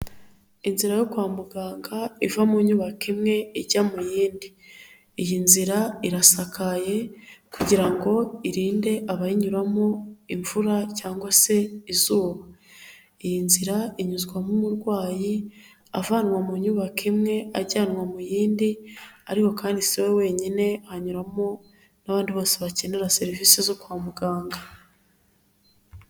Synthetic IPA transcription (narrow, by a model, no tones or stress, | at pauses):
inziɾajo̞kwaːmuɡaːŋɡaivamuɲuβakimŋe̞iɟamujiːndi | ijinziɾaiɾasakaje̞kuɟiɾaŋɡo̞iɾiːnde̞ʔaβajiɲuɾamoiɱvuɾacaːŋɡwase̞izuːβa | ejinziɾaiɲuzɡwamumuɾɡwaːji | a̰vaːnwamuɲuβakʰimŋe̞aɟaːnwamujiːndiaɾiko̞kaːndisiwewe̞ːɲine̞ahaɲuɾamo | naβaːndiβo̞ːseβaceneɾase̞ɾivisezo̞kwaːmuɡaːŋɡa